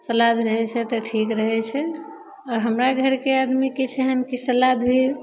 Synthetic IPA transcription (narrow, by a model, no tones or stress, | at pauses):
səlad̪ɾəɦɛt͡ʃʰɛt̪əʈʰikɾəɦɛt͡ʃʰɛ | ɔɾɦəmɾaɡʱəɾkead̪miket͡ʃʰɛɦənkesəlad̪bʱi